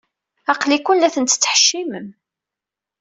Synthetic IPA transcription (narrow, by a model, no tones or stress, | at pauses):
ɑqlikʷːʊnlæθənt̪t͡sːə̥ħʃːiməm